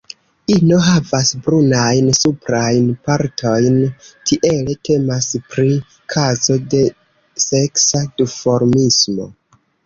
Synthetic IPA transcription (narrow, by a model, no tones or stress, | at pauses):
ino̞ɦavasbɾunajnsupɾajnpaɾtʰo̞jntʰiʔe̞letʰe̞maspɾi | kʰazo̞de̞ | se̞ksadifo̞ɾmismo̞̰